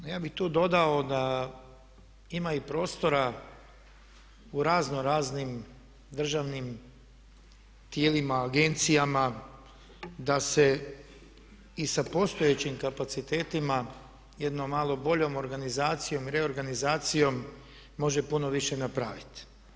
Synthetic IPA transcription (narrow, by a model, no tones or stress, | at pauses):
nojaːbixt̪uːd̪o̞d̪ao̞d̪a | imaipɾo̞ːst̪o̞ɾa | uɾaːzno̞ɾaːznim | d̪r̩ʒaʋnim | t̪jeːlimaːɡe̞nt̪sijama | d̪ase̞ | isapo̞st̪o̞je̞t͡ɕimkapat̪sit̪e̞ːt̪ima | je̞d̪nomːaːlˠo̞bo̞ʎo̞mo̞ɾɡanizaːt̪sijo̞miɾe̞o̞ɾɡanizaːt̪sijo̞mː | o̞ʒe̞puno̞ʋiʃenapɾa̰ːʋit̪